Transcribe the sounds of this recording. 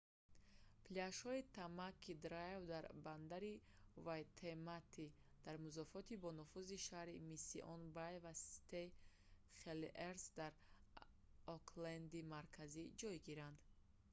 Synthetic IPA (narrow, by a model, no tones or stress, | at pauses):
pliaʃhɔit̪ʰamakʰːid̪ɾaevd̪aɾband̪aɾi | vajt̪ʰemat̪ʰːi | d̪̥aɾmuzɔfɔt̪ʰibɔnufuziʃahɾimisḭʔɔnbajvasi̥t̪e | χelʔeɾsd̪aɾ | ɔkʰland̪imaɾkʰazid͡ʒɔjɡiɾand̪